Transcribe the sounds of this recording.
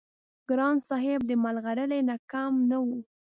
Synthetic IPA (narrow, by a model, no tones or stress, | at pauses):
ɡ̥ɾɑnsɑɦɪb̚d̪əmalɣaɾəlenakamnawu